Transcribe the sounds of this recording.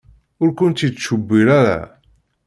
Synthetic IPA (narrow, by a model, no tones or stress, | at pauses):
ʊɾkʊnt̪iʃəbːiɾaɾæ̰